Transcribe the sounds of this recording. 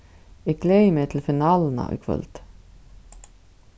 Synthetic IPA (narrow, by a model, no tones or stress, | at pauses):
ɪkleːjmɛt̪ʰɪlfɪnaːlna̰ʔɔ̰kʰvœ̰lt̪